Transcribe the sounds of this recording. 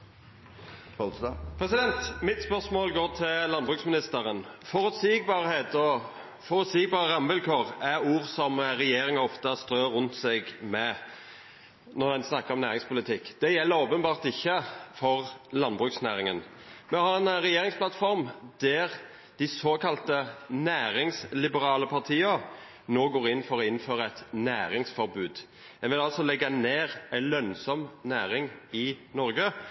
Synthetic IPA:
pʰɾɛsɪd̪ɛnt̪mɪt̪spœʁʂmoːlɡoːɾt̪ʰɪllɑnbʁʉːksmɪnɪst̪əɾənfɔɾʉt̪sɪɡbɑːʁheːt̪ɔ | fɔɾʉt̪sɪɡbɑːʁəɾɑmbəlkʰoːʁæɾuːʁsɔmɾɛjeːɾɪŋəɔft̪əst̪ɾøːɾʉnt̪sɛɡmɛ | nɔʁd̪ɛnsnɑkːəɾɔmnæːʁɪŋspʰʊlɪt̪ʰɪkːd̪̥ɛjɛlːəɾoːpənbɑːʁt̪ɪçːəfɔʁlɑnbʁʉːksnæːɾɪŋən | mɛhɑːɾɛnɾɛjeːɾɪŋsplɑt̪fɔɾmd̪̥æʁ | d̪̥ɪsoːkʰɑlt̪ənæːɾɪŋslɪbəɾɑːləpʰɑʁt̪ʰiːə | noːɡoːɾɪnːfɔɾɔɪnːføːɾəɛt̪næːɾɪŋsfɔɾbʉːd̪ | ɛnʋɪlɑlsɔlɛɡːɑneːʁæɪlœnsɔmnæːɾɪŋɪnɔɾɡə

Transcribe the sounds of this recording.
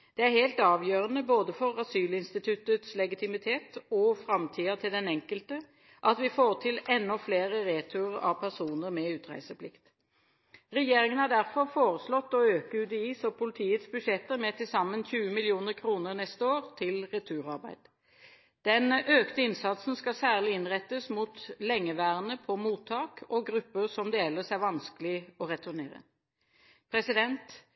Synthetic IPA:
d̪̥ɛæɾheɪlt̪ɑːʋjøːʁənəboːd̪əfɔɾɑsyːlɪnst̪ɪt̪ʰʉt̪ət̪slɛɡɪt̪ʰɪmɪt̪ʰeːt̪ɔfɾɑmt̪ʰiːɑt̪ʰɪld̪ɛnɛŋkəlt̪ə | ʔɑt̪ʋɪfoːʁt̪ʰɪlɛnːɔfleːʁəʁeːt̪ʰʊəʁɑ̰ʋpʰæʁsuːnəɾmɛʉːt̪ʁæ̰ɪsəpʰlɪkt̪ | ʁɛjeːɾɪŋənhɑd̪æʁfɔɾfoːʁəslɔt̪ːɔøːkəʉt̪əiːsɔpʰʊlɪt̪ʰiːət̪sbʉʂɛt̪ːəɾmɛt̪ʰɪlsɑmːənçʉːəmɪlɪuːnəɾkʰɾuːnəɾnɛst̪əoːʁt̪ʰɪlʁɛt̪ʰʉːɾɑɾbæ̰ɪd̪̥ | d̪̥ɛnøːkt̪əɪnsɑt̪sn̩skɑsæːʁlɪɪnʁɛt̪ːəsmut̪lɛŋːəʋæːʁənəpʰɔmuːt̪ʰːɑːkʰɔɡɾʉpːəsɔmd̪eːɛləsæʋɑnskəlɪɔɾɛt̪ʊɾneːɾə̰ | pʰɾɛsɪd̪ɛnt̪

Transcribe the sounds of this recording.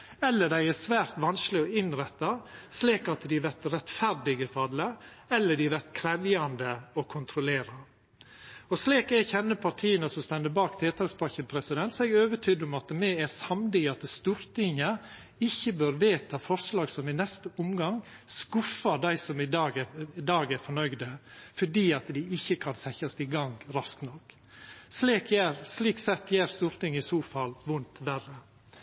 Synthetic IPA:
ɛlːəɖ̪æɪæsʋæːɾt̪ʋɑnsklɪɔɪnɾɛt̪ːɑsliːkɑt̪d̪ɪʋæɾt̪ɾɛt̪fæɾɖɪɡəfɑd̪lə | ɛlːəɖɪʋæɾt̪kʰɾɛʋjɑnd̪əɔkʰʊnt̪ʰɾʊleːɾɑ | ɔsliːkɛçɛnːəpʰɑɾʈ̪ʰiːənəsɔmst̪ɛnd̪əbɑːkt̪ʰeːt̪ʰɑːkspɑçənpʰɾɛsɪd̪ɛnt̪sɔɛɡøːʋəʈʰyːd̪ɔmɑt̪mɛæɾsɑmd̪ɪɑt̪st̪uːɾt̪ɪŋːə | ɪçːəbøːɾʋeːt̪ɑfɔɾʂlɑːɡsɔmɪnɛst̪əʊmɡɑŋ | skʊfːɑd̪æɪsɔmɪd̪ɑːɡɛɪd̪ɑːɡæɾfɔɳœɡd̪əfɔɖiːɑt̪d̪ɪɪçːəkʰɑnsɛçɑsɪɡɑŋɡɾɑsknɔkː | sliːkjæɾsliːksɛt̪ːjæːɾst̪uɾt̪ɪŋəɪsoːfɑlʋʊnt̪ʋærə

